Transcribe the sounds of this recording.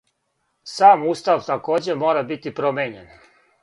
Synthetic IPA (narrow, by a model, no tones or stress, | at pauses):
saːmuːst̪aʋt̪ako̞ːd͡ʑe̞moːɾabit̪ipɾomeɲen